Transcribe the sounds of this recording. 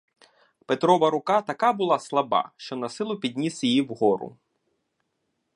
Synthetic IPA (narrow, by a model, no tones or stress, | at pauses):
pet̪ɾɔʋɐɾʊkɑt̪ɐkɑbʊlˠɑslˠɐbɑ̰ʃt͡ʃɔnɐsɪlˠʊpʲid̪ʲnʲisjijiwɦɔɾʊ̰